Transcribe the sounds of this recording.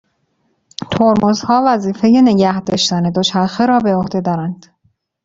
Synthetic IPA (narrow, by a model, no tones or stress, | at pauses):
t̪ʰoɾmozhɒːvæziːfe̞jene̞ɟæhd̪ɒːʃt̪æne̞d̪ot͡ʃʰæɾxeɾɒːbe̞ohd̪e̞d̪ɒːɾænd̪̥